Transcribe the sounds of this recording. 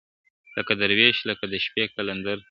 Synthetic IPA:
ləkad̪əɾweʃləkad̪əʃpekaland̪aɾ

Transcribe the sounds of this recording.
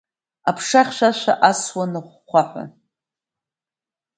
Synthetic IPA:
apʰʂaχʲʃʷaʃʷa̰ʔaswanɨχːʷaħʷa̰

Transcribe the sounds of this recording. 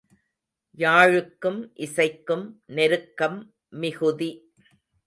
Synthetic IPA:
jaːɻɯkːɯmʔɪsɐɪkːɯmnɛɾɯkːɐmː | ɪɣɯði

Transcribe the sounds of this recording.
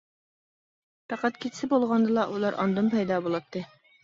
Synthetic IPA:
fæqɑt̪kit̪sɘbulˠʁɑnd̪ɤlˠɑʔulˠɑɾʔɒ̰nd̪ɤmpæjd̪ɑbulˠɑt̪ːɤ

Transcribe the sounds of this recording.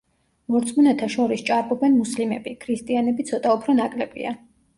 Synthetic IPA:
mɔɾt̪sʼmunɛt̪ʰaʃɔɾist͡ʃʼaɾbɔbɛnmuslimɛ̰bikʰɾist̪ʼianɛbit̪sʰɔt̪ʼaupʰɾɔnakʼlɛbḭa̰

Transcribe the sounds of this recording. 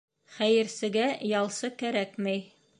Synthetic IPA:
χæjɘ̆ɾsɘ̆ɡæjɑlˠsɤkæɾækmɘj

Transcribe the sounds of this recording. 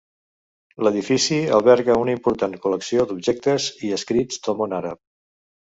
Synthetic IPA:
ləðifisiə̰lˠβɛɾkəunəimpuɾt̪ankuləksiod̪ubʒɛk̚t̪əziəskɾid͡zt̪omonaɾə̰p̚

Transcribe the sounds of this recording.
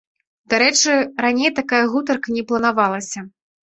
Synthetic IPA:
d̪aɾɛt͡ʂɨɾanʲejt̪akajɐɣut̪̬ɐrkɐnʲɛplˠɐnavalˠɐsʲɐ

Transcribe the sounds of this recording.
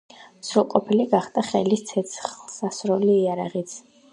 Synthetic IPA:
sɾulˠqʼɔpʰiliɡaχd̪ʼaχɛlist̪sʰɛt̪sχlˠsasɾɔliːaɾa̰ʁit̪sʰ

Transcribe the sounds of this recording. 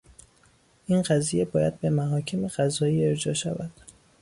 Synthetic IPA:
ʔinɢæzije̞bɒːjæd̪̚be̞mæɦɒːcʰemeɢæzɒːiːe̞ɾd͡ʒɒːʃæ̰væd̪̥

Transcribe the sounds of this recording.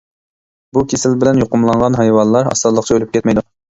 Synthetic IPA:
bukʲʰesɪlbɪlɛnjoqʊmlˠɑɴʁɑnɦɑjwɑnlˠɑɾɑ̰st̪ɑd̪lˠəqt͡ʃʰɑølyp̚kʲʰɛt̪mɛjd̪u

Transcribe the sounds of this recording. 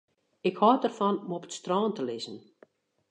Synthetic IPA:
ɪkhɔːtərfɔnomɔpə̥tstrɔːntəlɪzən̩

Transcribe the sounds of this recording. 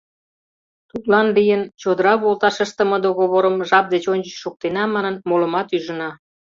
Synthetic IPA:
t̪ut̪lɑnlijənt͡ɕod̪əɾɑβolt̪ɑʃə̆ʃt̪ə̆mə̆d̪oɣoβoɾəmʒɑp̚d̪et͡ɕonʲd͡ʑət͡ɕʃuk̚t̪enɑmɑnənmolə̆mɑt̪yʒə̆nɑ

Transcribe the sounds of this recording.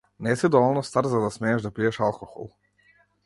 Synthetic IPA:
nɛsid̪ɔʋɔlˠnɔst̪aɾt̪zad̪asmɛːʒd̪apiɛʃalˠkoxo̰lˠ

